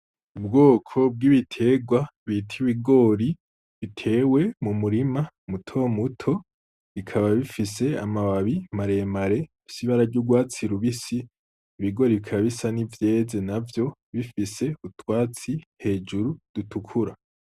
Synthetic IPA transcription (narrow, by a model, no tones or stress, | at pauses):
ub̚ɡo̞ːkʰo̞b̚ɡiβitʰe̞ɡwaβitʰiβiɡo̞ɾi | βitʰe̞we̞mumuɾima | mutʰo̞ːmutʰo̞ | βikʰaβaβifise̞a̰maβaβimaɾe̞maɾe̞ | isiβaɾaɾɟuɡwaːt͡siɾuβisiː | βiɡo̞ɾiβikʰaβaβisanivje̞ːze̞navjo̞βifise̞utwaːt͡sihe̞ːd͡ʒuɾud̥utʰukʰuɾa